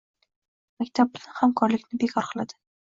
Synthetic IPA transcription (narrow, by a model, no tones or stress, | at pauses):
makʲt̪ʰap̚bɪzahamkʰɒɾlɪkʲnɪbekʰɒɾqʰɨlˠad̪̥ɪ̥